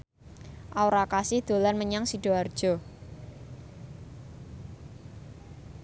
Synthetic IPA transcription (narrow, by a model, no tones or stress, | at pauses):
ʔaoɾakasɪhd̪̥o̤lanməɲaŋsiɖ̥o̤ard̥ʒ̥ɔ̤